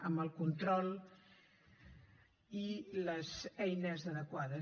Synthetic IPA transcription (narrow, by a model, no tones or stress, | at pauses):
əmbəlˠkunt̪ɾɔlˠ | iləzɛjnəzəðəkwaðə